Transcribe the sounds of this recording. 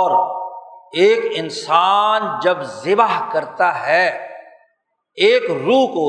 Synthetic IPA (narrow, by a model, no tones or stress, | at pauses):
ɔːɾ | eːkɪnsaːnd͡ʒɐbzɪbaɦkɐɾt̪aɦɛ | eːkɾuːkoː